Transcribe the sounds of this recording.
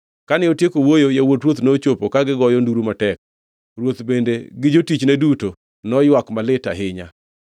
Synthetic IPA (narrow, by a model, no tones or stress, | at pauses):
kanɪotjekowojojawotrwot̪not͡ʃopokaɡɪɡɔjɔnduɾumatɛk̚ | ɾwot̪bendeɡɪd͡ʒotit͡ʃnɛduto | nɔjwakmalɪta̰ɦɪɲa̰